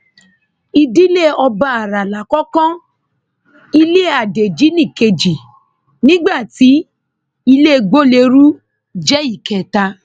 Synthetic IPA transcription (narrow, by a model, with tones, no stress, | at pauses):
i˧di˦le˦˨ɔ˧ba˧˦a˨ɾa˨la˨kɔ˦kɔ̃˦ | i˦le˦˨a˨de˨d͡ʒi˨˦nĩ˦˨ke˧d͡ʒi˨ | nĩ˦ɡ͡ba˦˨ti˨˦ | i˧le˦˧ɡ͡bo˦le˧˦ɾu˦ | d͡ʒɛ˦i˦˨kɛ˨ta˧